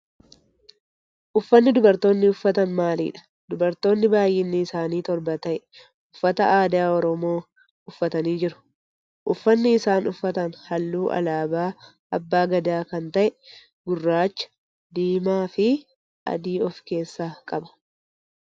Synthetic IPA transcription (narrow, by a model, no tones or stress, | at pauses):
ʔʊfːɐnːɪd̪ʊbɐɾt̪o̞ːnːɪʊfːɐt̪ɐnmaːlḭːᶑɐ̥ | d̪̥ʊbɐɾt̪o̞ːnːɪbaːjɪnːɪːsaːniːt̪ɔɾbɐt̪ɐʔɛ | ʊfːɐt̪ɐʔaːd̪aːɔɾɔmo̞ː | ʊfːɐt̪ɐniːd͡ʒɪɾʊ̥ | ʔʊfːɐnːɪːsaːnʊfːɐt̪ɐnhɐlːuːʔɐ̰laːbaː | ɐbːaːɡɐd̪aːkɐnt̪ɐʔɛ | ɡʊrːaːt͡ʃːɐ̥ | d̪iːmaːfɪ | ʔɐ̰d̪iːɔfke̞ːsːaːkʼɐbɐ̥